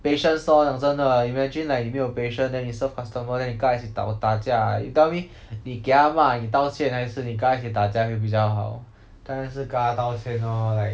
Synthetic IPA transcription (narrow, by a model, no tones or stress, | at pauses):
peʂənsɔnaŋt͡səndəimad͡ʒĩnlaɪnimejopeɪʂənd̪ɛnːisəfkʰɔst̪əməd̪ɛnikaat͡ɕʰit̪a̰ʊt̪at͡ɕjait̪ɛʊi | nikeamanit̪aʊt͡ɕʰjɛnhaɪʂ̩nikat͡ɕʰit̪at͡ɕjawep̬it͡ɕjaʊxaʊ | t̪anaʂɻ̩kat̪aʊt͡ɕʰjɛnɔlaɪ